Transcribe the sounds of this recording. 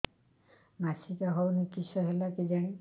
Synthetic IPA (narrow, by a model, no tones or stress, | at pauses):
masikaɦɔwnikːisɔɦɛlakid͡ʒani